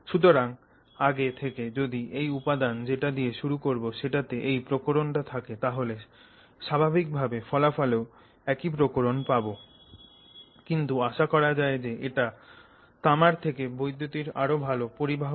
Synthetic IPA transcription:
ʃut̪̬oɾaŋ | aɡet̪ʰeked͡ʑod̪iʔejupad̪and͡ʑeʈad̪ieʃuɾukoɾboʃeʈat̪eʔejpɾokoɾonʈat̪ʰaket̪aɦole | ʃabʱabik̚bʱabefɔlafaleo | ɛkipɾokoɾonpabo | kint̪uaʃakɔɾad͡ʑaed͡ʑeʔeʈa | t̪amaɾt̪ʰekebojd̪ʱːot̪iɾa̰ɾobʱalopoɾibʱaɦ

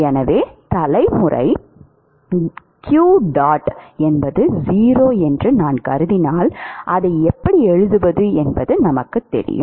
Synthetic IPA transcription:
ɛnɐʋeːt̪ɐlɐɪmʊrɐ̰ɪ | kjuːɖaːʈɛnbɐðɯziːɾoːɛndrɯnaːnkɐɾɯðɪnaːlʔɐðɐɪɛpːɐɽiɛɻɯðɯʋɐðɯɛnbɐðɯnɐmɐkːɯt̪ːɛ̰ɾɪ̰jʊ̰m

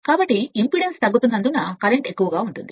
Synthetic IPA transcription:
kaːbɐʈːiimpɾiɽenst̪ɐɡːut̪undɐnd̪unːɐkɐɾeɳʈe̞kːuʋɐɡaːuɳʈund̪i

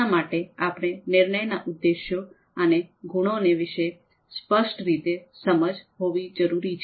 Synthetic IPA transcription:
amaʈeapɽ̃enɪɾɳəjnaʔʊd̪ːeʃjo | əneɡʱuɽ̃oneʋɪʃe | spəʃʈɾit̪esəməd͡ʒɦoʋid͡ʒəɾuɾit͡ʃʰ

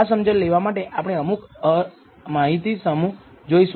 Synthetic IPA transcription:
asəmd͡ʒəlleʋamaʈeʔapɳ̃eəmuk | maɦit̪isəmu | d͡ʒois

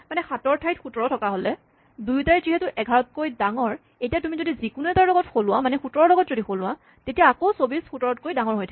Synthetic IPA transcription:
manɛxatɔɹtʰajtxutɔɹɔtʰɔkaɦolɛ | dujtaɹziɦɛtʊʔɛɡʱaɹɔt̚kojdaŋɔɹ | ejtijatumizodizikʊnuɛtaɹlɔɡɔtxolʊwamanɛxutɔɹɔɹlɔɡɔtzodixolʊwa | tetijaːkowsobisxutɔɹɔtkojdaŋɔɹɦojtʰḁ

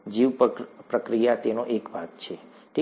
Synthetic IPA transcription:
d͡ʒiʋppɾəkɾijat̪enoʔekbʱaɡt͡ʃʰe | ʈʰi

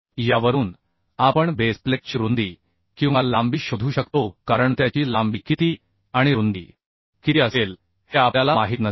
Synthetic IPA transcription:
jaʋəɾuːn | apəɳbesplek̚ɕɾund̪iː | kĩw̃ʋalambiːɕod̪ʱuːɕəkt̪okaɾəɳt̪jat͡ɕiːlambiːkit̪iː | aɽ̃iɾund̪ḭː | kit̪iəsel | heapalamaɦit̪nə

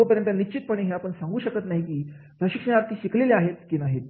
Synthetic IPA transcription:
əpəɾjənt̪ənit͡ɕit̪̚pəɽ̃iɦeapəɳsaŋɡuːɕəkət̪naɦikiː | pɾəɕikʂəɳaɾt̪ʰiːɕikʰleleaɦet̪kinaɦet̪

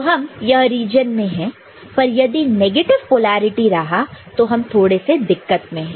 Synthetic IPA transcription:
oɦɐmjɐɦɾiːd͡ʒənmẽɦɛ̃ | pɐɾjɐd̪ineːɡeːʈɪʋpoːlaːɾɪʈiɾɐɦat̪oɦɐmt̪ʰoːɽesed̪ɪkːət̪mẽɦɛ̃

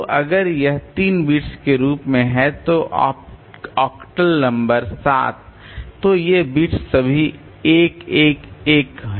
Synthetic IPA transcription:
ʔɐɡəɾjɐɦt̪iːnbiːʈskeɾuːpmẽɦɛ̃t̪oʔ | ɔːkʈəlnɐ̃mbəɾsa̰ːt̪̚ʰ | tːojebiːʈsːɐbʱi | eːkeːkeːkɦ

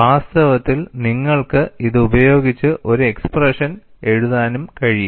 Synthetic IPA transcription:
ʋaːst̪ɐʋɐt̪ːilniŋːɐɭkɨiðɨubɐjo̞ːɡit͡ɕːɨʔo̞ɾue̞ksprɐʂɐn | e̞ɻuðaːnumkɐɻiju

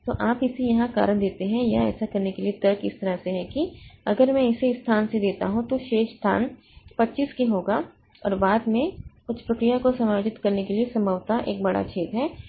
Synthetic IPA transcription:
t̪oʔaːpɪsijɐɦãka̰ːɾəɽ̃d̪eːt̪eɦɛ̃jaɛ̰ːsakɐɾnekeliet̪ɐɾkɪst̪ɐɾaɦseɦɛ̃kiɐɡəɾmɛ̃ɪseɪst̪ʰaːnsed̪eːt̪a̰ɦũt̪oʃeːʃst̪ʰa̰ːn | pɐtːt͡ʃiskiɦoːɡaː | ɔ̰ːɾbaːd̪mẽkʊt͡ʃʰpɾɐkɾijakosɐmaːd͡ʒɪt̪kɐɾnekeliesɐməʋt̪aʔḛːk̚bɐɽa̰t͡ʃʰeːt̪ɦɛː

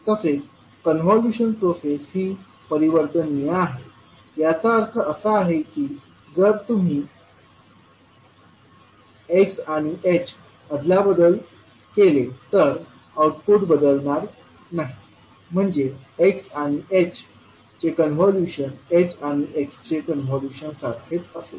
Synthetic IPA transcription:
t̪əset͡s | kənʋɔljuɕənpɾosesɦiː | pəɾiʋəɾt̪ənjeaɦe | jat͡saəɾt̪ʰəʔəsəaɦekiː | d͡zəɾt̪um̤iː | eksaɽ̃iʔet͡ɕ | əd̪labəd̪əl | kelet̪əɾ | auʈpuʈbəd̪əlɳaɾ | naɦi | m̤əɳd͡zeeksaɽ̃iʔet͡ɕ | t͡ɕekənʋɔljuɕənet͡ɕaɽ̃iʔekst͡ɕekənɦɔljuɕənsaɾkʰet̪əsḛ

